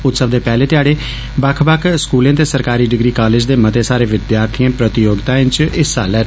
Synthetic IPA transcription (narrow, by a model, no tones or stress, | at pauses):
ʊt̪səʋd̪eːpɛːleːt̪ɪjaːɽeː | bakʰbaːkʰskuːlẽːt̪eːsəɾkaːɾiːɖɪɡɾiːkaːled͡ʒd̪eːmət̪eːsaːɾeːʋɪd̪jaːɾt̪ʰijãːpɾət̪ɪjoːɡt̪aːɪ̃t͡ʃɪsa̰ːlɛː